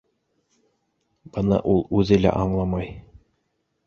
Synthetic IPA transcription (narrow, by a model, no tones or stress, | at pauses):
b̥ɤnɑ̰ʔulˠʉðɘ̆læ̰ʔɑɴlˠɑmɑj